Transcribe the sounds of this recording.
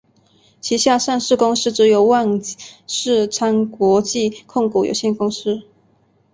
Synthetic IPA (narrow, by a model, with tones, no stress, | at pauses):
t͡ɕʰi˧˥ɕja˥˧ʂa˥˧nʂɻ̩˥˩kʊ˥ŋʂɻ̩˥˩ʈ͡ʂɻ̩˧˥jo˨˩ʊwa˥˧nʂɻ̩˥˩ʈ͡ʂʰa˥nkwɔ˧˥t͡ɕi˥˧kʰʊ˥˩ŋku˨˩jo̰˨˩ʊɕjɛ˥˩nkʊ˥ŋʂɻ̩˥˩